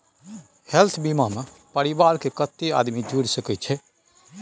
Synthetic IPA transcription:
helt̪ʰbimame | pəɾibaɾkekət̪ːea̰d̪mid͡ʒuɽsəkɛt͡ʃʰɛ

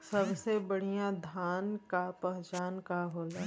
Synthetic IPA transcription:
sɐbsebɐɽ̤ijãd̪ʱaːnkapɛɦt͡ʃaːnkaɦoːla

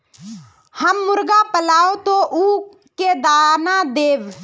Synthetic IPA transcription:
həmːʊɾɡaːpəlaːoːt̪oːʔuː | keːd̪aːnãːd̪eːʋ

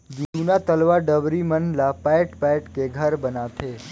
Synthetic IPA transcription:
d͡ʒũunat̪əlʋaɖəʋɾimənlapaeʈpaʈkeɡʱəɾbənat̪ʰe

